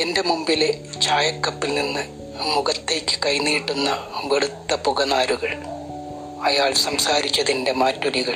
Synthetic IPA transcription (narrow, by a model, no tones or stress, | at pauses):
ende̞mumbile̞t͡ɕaːjɐkːɐpːilninːɨ | muɣɐt̪ːe̞ːkʲːɨ̥kɐjniːʈːunːɐʋeɽut̪ːɐpuɣɐnaːɾuɣɐɭ | ɐjaːɭsɐmsaːɾit͡ɕːɐðinde̞maːtːɐliɣɐɭ